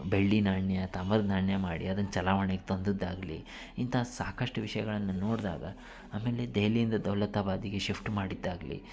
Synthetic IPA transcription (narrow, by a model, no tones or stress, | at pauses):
beɭːinaːɳjɐt̪amɐɾɡnaːɳjɐmaːɽḭɐd̪ɐnːɐt͡ʃɐlaːʋɐɳeɡet̪o̞nd̪ɨd̪ːaːɡlḭ | int̪ʰɐsaːkɐʂʈuʋiʂɐjɐɡɐɭɐnːɐno̞ːɽd̪a̰ːɡɐ̰ | aːme̞ːle̞d̪eːlijind̪ɐd̪ɐʋlɐt̪abaːd̪iɡeʃipʰʈmaːɽid̪ːaːɡlḭ